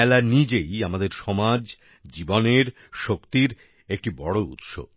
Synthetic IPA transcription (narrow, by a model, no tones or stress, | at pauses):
ɛlaɾnid͡ʑejamad̪eɾʃɔmad͡ʑ | d͡ʑiboneɾ | ʃokt̪iɾ | ek̚ʈibɔɽoṵt̪ʃo̰b